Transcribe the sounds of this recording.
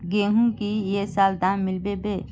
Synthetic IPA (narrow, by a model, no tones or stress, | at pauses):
ɡeːɦũkijesaːld̪aːnːɪlbebeː